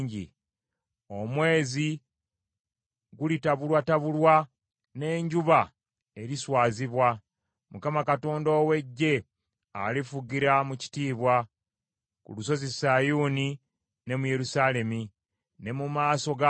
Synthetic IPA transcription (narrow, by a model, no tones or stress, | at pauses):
ɲɟḭ | o̞mwe̞ːzi | ɡulitaβulwataβulwa | ne̞ːɲɟuβa | e̞ɾiswaːziβwa | mukamakato̞ːndo̞ːwe̞ɟːe̞ | a̰lifuɡiɾamuci̥tiːβwa | kṵluso̞zesajuːni | ne̞muje̞ɾusale̞mi | ne̞mumaːso̞ɡa